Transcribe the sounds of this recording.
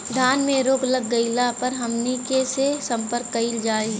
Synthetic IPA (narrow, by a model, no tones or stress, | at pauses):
d̪ʱaːnmẽɾoːklɐɡːɐɪlapɐɾɦɐmnikesesɐ̃mpəɾkːɐild͡ʒaːiː